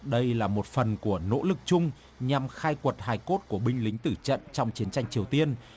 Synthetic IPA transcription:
ɗə˧jlaː˨˩mo˨˩t̚fə˨˩nku˧˩əno̰˧˥lɨ˨˩k̚t͡ɕʊ˧ŋ͡m | ɲa˨˩mxaː˧jkwə˨˩t̚haː˧jko˦˥t̚ku˧˩əɓï˧ŋ̟lï˨˦ŋ̟t̪ɨ˧˩t͡ɕə̰˧˨nt͡ɕɔ˧wŋ͡mt͡ɕi˨˦ənt͡ɕa˧jŋ̟t͡ɕi˨˩əwt̪i˧ən

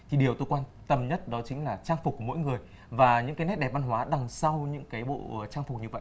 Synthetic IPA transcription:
t̪ʰi˨˩ɗi˨˩əwt̪o˧jkwaː˧nt̪ə˧mɲə˦˥t̚ɗɔ˨˦t͡ɕï˨˦ŋ̟laː˨˩t͡ɕaː˧ŋfʊ˨˩k͡p̚kːu˧˩mo̰˧˥jŋɨ˨˩əjj | vaː˨˩ɲɨ̰˧˥ŋkaː˨˦nɛ˦˥t̚ɗɛ˨˩va˧nɦwaː˨˦ɗa˨˩ŋsa˧wɲɨ̰˧˥ŋkaː˨˦jɓo̰˧˨˩t͡ɕaː˧ŋfʊ˨˩k͡p̚ɲɨ˧və̰˧˨jʔ

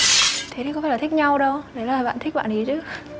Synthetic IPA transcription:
t̪ʰe˨˦i˧˦kɔ˧˦faː˧˦laː˨˩t̪i˦˥k̚ɲa˧wɗə˧wɗe˧˩laː˨˦laː˨˩ɓa̰ː˧˨t̪ʰi˦˥k̚ɓa̰ː˧˨nzi˨˩t͡ɕɨ˦

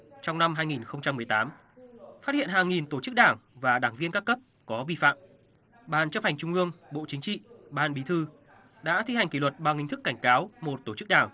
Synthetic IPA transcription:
t͡ɕɔ˧wŋ͡mna˧mɦaː˧jŋi˨˩nxə˧wŋ͡mt͡ɕa˧mːɨ˨˩əjt̪aː˨˦m | faː˦˥hḭ˧˨ənɦaː˨˩ŋːi˨˩nt̪o˧˩t͡ɕɨ˦˥k̚ɗaː˧˩ŋvaː˨˩ɗaː˧˩ŋvi˧ənkaː˦˥kːə˦˥p̚ | kɔ˨˦vi˧fa̰ː˧˨m | ɓaː˨˩nt͡ɕə˦˥p̚ha˨˩ŋ̟t͡ɕʊ˧ŋ͡mʔɨ˧əŋɓo̰˧˨t͡ɕï˨˦ŋ̟t͡ɕḭ˧˨ɓaː˨˩nɓi˨˦t̪ʰɨ˧ | ɗa̰ː˧˥t̪ʰi˧ha˨˩jŋ̟ki˧˩wə˨˩t̚ɓaː˨˩ŋhi˧ŋ̟t̪ɨ˦˥kːa˧˩jŋ̟kaː˨˦wmo˨˩t̚t̪o˧˩t͡ɕɨ˦˥k̚ɗaː˧˩ŋ

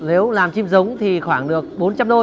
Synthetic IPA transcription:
ne˨˦wlaː˨˩mt͡ɕi˧mzʊ˨˦wŋ͡mt̪ʰi˨˩xwaː˧˩ŋɗɨ˨˩ək̚ɓo˨˦nt͡ɕa˧mɗo˧

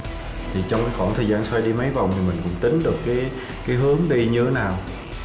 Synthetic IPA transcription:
t̪ʰi˨˩t͡ɕɔ˧wŋ͡mkaː˨˦jxwaː˧˩nt̪ʰəː˨˩jzaː˧nswa˧jɗi˧mə˨˦jva˨˩wŋ͡mt̪ʰi˨˩mï̟˨˩kʊ̰˧˥ŋ͡mt̪ï˨˦ŋ̟ɗɨ˨˩əkːaː˨˦j | kaː˨˦jɦɨ˨˦əŋɗi˧ɲɨ˧t̪ʰe˨˦naː˨˩w

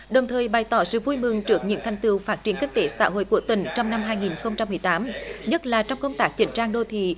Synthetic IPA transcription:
ɗə˨˩wŋ͡mt̪ʰəː˨˩jɓa˨˩jt̪ɔ˨˩˦sɨ̰˧˨vu˧jmɨ˨˩ŋt͡ɕɨ˦˥ək̚ɲɨ̰˧˥ŋt̪ʰɛ˨˩jŋ̟t̪ɨ˨wfaː˦˥t̚t͡ɕi˧˩ənkï˦˧ŋ̟t̪e˨˦sa̰ː˧˥ɦo̰˧˨jku˧˩ət̪ï˧˩ŋ̟t͡ɕɔ˧wŋ͡mna˧mɦaː˧jŋi˨˩nxə˧wŋ͡mt͡ɕa˧mːɨ˨˩əjt̪aː˨˦mɲə˦˥t̚laː˨˩t͡ɕɔ˧wŋ͡mkə˧wŋ͡mt̪aː˦˥k̚t͡ɕï˧˩ŋ̟t͡ɕaː˧ŋɗo˧t̪ʰḭ˧˨

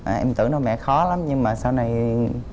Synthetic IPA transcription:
ʔaː˨˩ʔɛ˧mt̪ɨ̰˧˩nɔ˧jmɛ̰˧˨xɔ˨˦la˨˦mɲɨ˧ŋmaː˨˩saː˧wna˨˩j

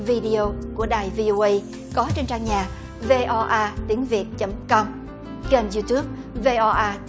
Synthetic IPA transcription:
vi˧ɗi˧˨o˧ku˧˩əɗaː˨˩jvi˧ʔo˧ʔə˧j | kɔ˨˦t͡ɕe˧nt͡ɕaː˧ŋɲaː˨˩ | ve˧ʔɔ˧ʔaː˧t̪i˨˦əŋvi˨˩ət̚t͡ɕə˨˦mkɔ˧m | ɣe˧nzu˧t̪u˦˥p̚ | ve˧ʔɔ˧ʔaː˧t̪

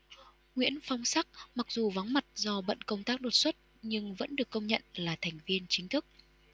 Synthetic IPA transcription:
ŋwḭ˧˥ənfa˧wŋ͡msa˦˥k̚ma˨˩k̚zu˨˩va˨˦ŋma˨˩t̚zɔ˧ɓə̰˧˨nkə˧wŋ͡mt̪aː˦˥k̚ɗo˨˩t̚swə˦˥t̚ | ɲɨ˧ŋvə̰˧˥nɗɨ˨˩əkːə˧wŋ͡mɲə̰˧˨nlaː˨˩t̪ʰɛ˨˩jŋ̟vi˧ənt͡ɕï˨˦ŋ̟t̪ʰɨ˦˥k̚

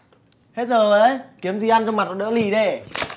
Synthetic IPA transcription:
he˦˥t̚zəː˨˩ə˨˧˦jki˨˦əmzi˧˩ʔa˧nt͡ɕɔ˧ŋ͡mma˨˩ɔ˧˦˩ɗə̰˧˥li˨˩ɗe˧˩

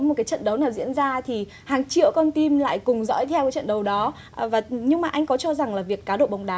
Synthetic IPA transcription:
mo˨˩t̚kaː˨˦t͡ɕə̰˧˨nɗə˨˦wnaː˨˩wzḭ˧˥ənzaː˧t̪ʰi˨˩ | haː˨˩ŋt͡ɕḭ˧˨əwkɔ˧nt̪i˧mla̰ː˧˨jkʊ˨˩ŋ͡mzɔ̰ː˧˥jt̪ʰɛ˧wkaː˨˦jt͡ɕə̰˧˨nɗə˨˩wɗɔ˨˦ | vaː˨˩ɲɨ˧ŋmaː˨˩ʔa˧jŋ̟kɔ˨˦t͡ɕɔ˧za˨˩ŋlaː˨˩vi˨˩əkːaː˨˦ɗo̰˧˨ɓa˨˩wŋ͡mɗaː˨˦

